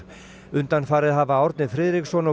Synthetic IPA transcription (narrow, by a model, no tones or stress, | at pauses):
ʏnt̪anfaːɾɪðɦavaɔwɾt̪nɪfɾɪːðɾiksɔnɔ